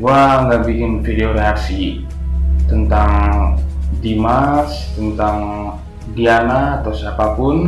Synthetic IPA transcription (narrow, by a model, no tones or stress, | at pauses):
ɡuaŋɡaʔbikɪnfideoɾeaksi | t̪ənt̪aŋ | dimarst̪ənt̪aŋ | dianaːt̪awsapapʊn